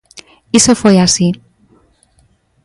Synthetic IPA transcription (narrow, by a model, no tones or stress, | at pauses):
isefweasi